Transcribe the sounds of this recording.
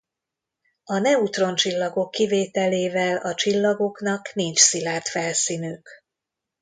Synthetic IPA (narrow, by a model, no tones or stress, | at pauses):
ɒnɛut̪ro̞nt͡ʃilːɒɡo̞kːiveːt̪ɛleːvɛlɒt͡ʃilːɒɡo̞knɒknint͡ʃsilaːrt̪fɛlsinyk